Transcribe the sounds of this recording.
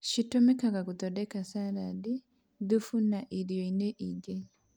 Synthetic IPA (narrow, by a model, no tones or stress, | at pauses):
ʃitomekaɡaɡut̪odekasaɾadi | dufunaʔiɾjoineʔiɟe